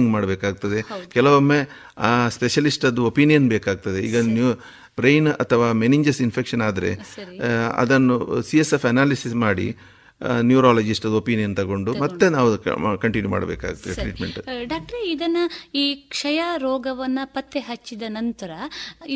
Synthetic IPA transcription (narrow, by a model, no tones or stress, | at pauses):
ŋɡmaːɽɐbeːkaːɡ̚ut̪ɐd̪e̞kɛlɐʋomːe | speʃɐlisʈɐd̪uopinijɐnbeːkaːɡ̚t̪ɐd̪e̞ḭːɡɐnu | bɾejnɐ̰t̪ʰɐʋaːmeniɲd͡ʒɐɾsinpʰekʂɐnaːd̪ɐɾe̞̰ɐɐ̰d̪ɐnːusiesefɐnaːlisismaːɽḭ | njuːɾaːlɐd͡ʒisʈɐd̪opiːnijɐnt̪ɐɡo̞ɳɖumɐt̪ːenaːʋukɐɳʈinjuma̰ːɽbḛːka̰ːɡut̪ːɐeʈɾḭːʈmeɳʈɖaːk̚ʈɐɾeid̪ɐnːɐiːkʂɐjaːɾoːɡɐʋɐnːɐpɐt̪ːeɦɐt͡ʃːid̪ɐnɐnt̪ɐɾɐ